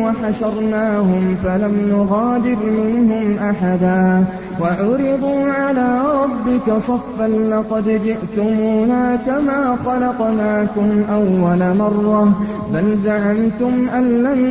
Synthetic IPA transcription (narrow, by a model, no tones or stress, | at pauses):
waħaʃɑɾˤnaːhʊmfalamnʊɣaːd̪ɪɾmɪnhʊmʔaħad̪aː | waʕʊɾɪd̪ˤuːʕalaːɾˤɑbːɪkasˤɑfːanlɑqɑd̪d͡ʒɪʔt̪ʊmuːnaːkamaːxɑlɑqnaːkʊmʔawːalamɑrˤːɑ | balzaʕamt̪ʊmʔanːan